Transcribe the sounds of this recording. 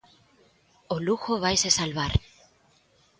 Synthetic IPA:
oluxoβajsesalβaɾ

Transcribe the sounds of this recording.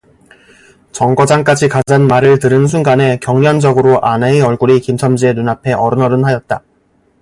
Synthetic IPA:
t͡ɕʌŋɡʌd͡ʑaŋk͈ad͡ʑikad͡ʑanmaɾɯɭtɯɾɯns̬ʰuŋɡane̞kjʌŋɲʌnd͡ʑʌɡɯɾoʔaneeʌɭɡuɾikimsʰʌmd͡ʑie̞nunapʰe̞ʔʌɾɯnʌɾɯnɦajʌt̚t͈a

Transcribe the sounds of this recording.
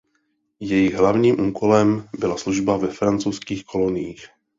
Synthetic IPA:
jɛjɪɣɦlavɲiːmʔuːkolɛmbɪlasluʒbavɛfɾant͡sowskiːxkʰo̞lo̞nɪjiːx

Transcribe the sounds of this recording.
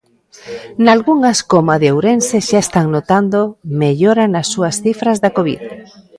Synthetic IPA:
nalɣuŋaskomaðeowɾenseʃaest̪aŋnot̪and̪omeʎoɾanasːuɐsθifɾazðakoβḭð

